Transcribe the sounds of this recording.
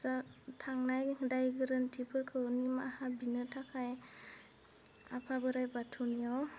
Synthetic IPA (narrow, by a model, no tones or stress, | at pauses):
zatʰaŋnajdajɡɯɾɯntʰipʰɯɾkʰɯnimahabinɯtʰakʰaj | apʰabɯɾajbatʰunijaw